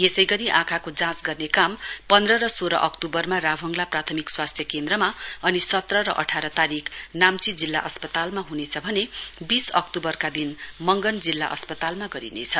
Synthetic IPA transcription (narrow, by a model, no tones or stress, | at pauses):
jesʌjɡʌɾiʔãkʰakod͡zãt͡sɡʌrnekampʌnd̪rʌɾʌsoɾʌ̰ʔʌkt̪ubʌrmarabʱʌŋɡlaprat̪ʰʌmikswast̪ʰjʌkend̪rʌmaʌnisʌt̪rʌɾʌʔʌ̰ʈʰaɾʌt̪aɾikʰnamt͡sid͡zilːa̰ʔʌspʌt̪almaɦunet͡sʰʌbʱʌnebisʌk̚t̪ubʌrkad̪inmʌŋɡʌnd͡zilːa̰ʔʌ̰spʌt̪almaɡʌɾḭnḛt͡sʰʌ